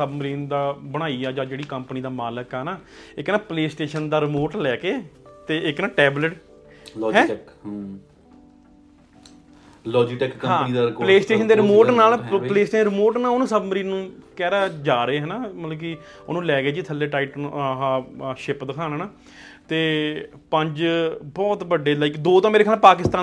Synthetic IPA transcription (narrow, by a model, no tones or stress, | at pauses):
səbməɾiːnd̪aːbəɽ̃aːiːaːd͡ʒãːd͡ʒeːɽiːkəmpniːd̪aːmaːləkɦɛːnaːɪknãːpleːsʈeːʃənd̪aːɾɪmoːʈlɛːkeːt̪eːɪknaːʈɛːbləʈ | lɔːɦɛ̃ːk | lɔːd͡ʒiʈɛkkəɦãːiːd̪apəleːsʈeːʃənd̪eːɾɪmoːʈnaːlpəleːsʈeːʃɾɪmoːʈnãːʊnũːsəbməɾiːnnũːkɛːɾaːd͡ʒaːɾəeːɦɛːnaːmət̪ləbki | o̰nũːlɛːɡeːd͡ʒiːt̪ʰəlːeːʈaːɪːʈnːɦãːʃɪpd̪əkʰaːnaːnaː | t̪eː | pəɲd͡ʒbɔːt̪bəɖeːlaikd̪oːt̪ãːmeːɾeːkʰaːlaːpaːk̬ɪst̪aː